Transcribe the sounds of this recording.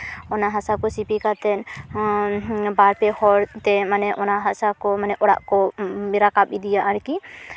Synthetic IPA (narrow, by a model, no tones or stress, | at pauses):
ɔnaɦasakɔsipikat̪ɛn | baɾpɛhɔɾt̪ɛmanɛʔɔnaɦasakɔmanɛʔɔɽa̰ʔkɔmiɾakabid̪ijaʔaɾki